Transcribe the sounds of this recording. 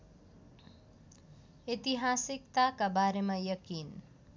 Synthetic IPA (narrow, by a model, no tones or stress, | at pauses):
et̪iɦasikt̪akabaɾemajʌkin